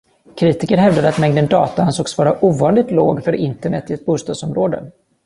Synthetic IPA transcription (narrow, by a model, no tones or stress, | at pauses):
kʰɾiːt̪ɪkəɾɦɛvd̪ad̪əat̪mɛŋd̪ənd̪ɑːt̪ahansoːksɔvɑːɾaʔuːvɑːnlɪt̪loːɡfœɾɪnt̪əɳɛt̪ːɪɛt̪̚buːst̪ɑd̪sɔmɾoːd̪ə̰